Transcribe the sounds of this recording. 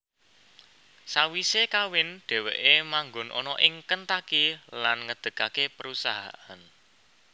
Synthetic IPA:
sawisekawɪnɖ̥ɛ̤weʔemaŋɡʊnʔɔ̰nɔʔɪŋkənt̪akilanŋəd̪̥ə̤kakepəɾusaɦa̰ʔan

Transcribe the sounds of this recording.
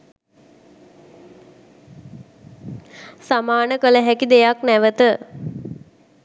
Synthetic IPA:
samaːnəkələɦækid̪ejaknæʋət̪ə

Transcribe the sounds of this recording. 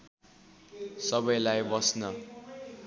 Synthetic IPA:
sʌbʌjlajbʌsnʌ

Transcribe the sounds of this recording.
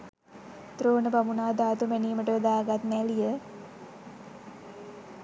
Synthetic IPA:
t̪ɾoːnəbamunaːd̪aːt̪umeniːməʈəʋed̪aːɡat̪nɛlijə

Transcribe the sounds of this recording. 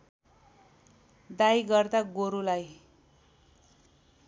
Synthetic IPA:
d̪ajɡʌrd̪aɡoɾulaj

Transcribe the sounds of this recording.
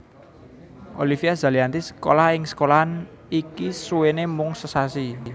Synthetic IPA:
ʔo̰lifiaz̥a̤liant̪isə̥ko̰laɪŋsə̥kolaan | ikisuwenemʊŋsəsasi

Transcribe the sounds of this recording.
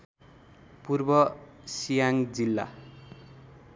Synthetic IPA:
purbʌ | sijaŋd͡zilːa̰

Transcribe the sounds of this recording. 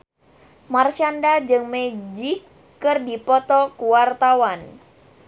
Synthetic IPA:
mart͡ʃandad͡ʒɨŋmɛd͡ʒikː | ɨrdipɔt̪ɔkuwart̪awan

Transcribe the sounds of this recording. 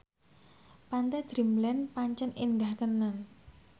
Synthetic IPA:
pant̪ɛd̪̥ɾimlɛnpaɲt͡ʃənind̪aht̪ənan

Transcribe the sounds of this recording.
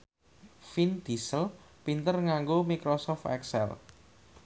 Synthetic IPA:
find̪̥isəlpint̪ərŋaŋɡomikɾosɔft̪ɛ̰ksɛ̰l

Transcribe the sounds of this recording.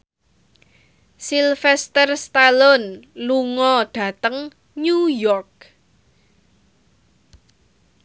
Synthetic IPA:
silfɛst̪ərst̪alɔnluŋɔɖ̥ä̤t̪əŋ | ɲujɔrk̚

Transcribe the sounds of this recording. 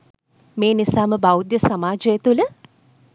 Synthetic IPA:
meːnisaːməbawd̪jəsamaːd͡ʒəet̪ulə

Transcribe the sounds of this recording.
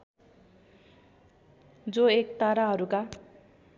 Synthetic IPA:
d͡zoekt̪aɾaɦʌɾuka

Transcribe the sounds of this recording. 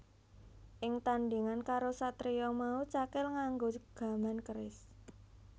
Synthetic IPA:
ʔɪŋt̪andiŋankaɾosat̪ɾijɔmaut͡ʃakɪlŋaŋɡoɡ̥a̤mankəɾɪs

